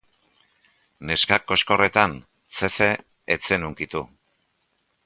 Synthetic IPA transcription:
ne̞skako̞sko̞re̞t̪an | t͡se̞fe̞ː | t͡se̞nuŋkit̪u

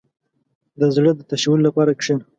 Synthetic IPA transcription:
d̪əzɽəd̪ət̪aʃawʊllːapɑɾakʂen

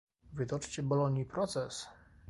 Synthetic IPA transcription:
vɘd̪ɔt͡ʂt͡ɕɛbɔlɔɲʲipɾɔt̪sɛs

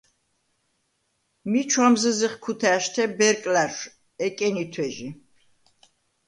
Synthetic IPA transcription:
mit͡ʃʰwamzəziχkʰut̪ʰæʃt̪ʰɛbɛɾkʼlaɾʃ | ɛkʼɛnit̪ʰwɛʒi

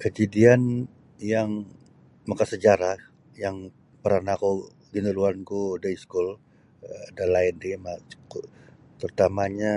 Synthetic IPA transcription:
kəd͡ʒadian | jaŋ | makasəd͡ʒaɾah | jaŋ | pəɾanaku | ɡinəluankudaiskul | dalaɪndimḁku | t̪ərt̪amaɲa

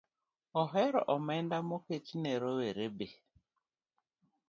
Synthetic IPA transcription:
ɔɦɛɾɔ̰ʔɔmɛndamoket͡ʃineɾɔweɾebe

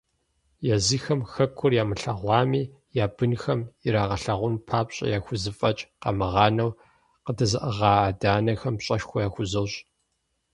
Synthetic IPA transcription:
jɛziːxɐmxɐkʷʰːʊrjaːmɨɬɐʁʷɑːmiː | jaːb̥ɨnxɐmiɾaːʁɐɬɐʁʷʊnpʰaːpɕʼɐ̰jaːxʷʊzɨfʼɐt͡ʃʼqɐ̰mɨʁɑːnɐw | qədɐzɨʔɐʁɑːaːdaːnɐxɐmpɕʼɐʃxʷɔjaːxʷʊzɐwɕʼ

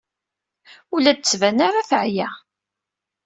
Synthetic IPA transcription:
ulæd̪̚t͡sːvænaɾaθəʕjæ

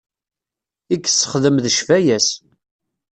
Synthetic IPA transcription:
ikːsːə̥χðəmðəʃvæjæs

